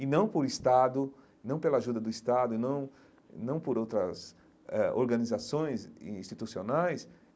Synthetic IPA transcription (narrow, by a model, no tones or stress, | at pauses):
ɪnɐ̃w̃poɾɪst̪ad̪ʊ | nɐ̃w̃pelɐaʒud̪ɐd̪ʊist̪ad̪ʊnɐ̃w̃ | nɐ̃w̃poɾowt̪ɾɐs | ɛo̰ɾɡɐ̃nizasõj̃zĩst͡ʃ̪it̪usionajs